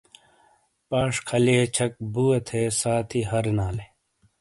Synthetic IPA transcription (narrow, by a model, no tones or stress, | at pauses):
paːʂkʰɐliet͡ɕʰɐk̚buːɐt̪ʰeːsaːt̪ʰiɦɐɾnaːle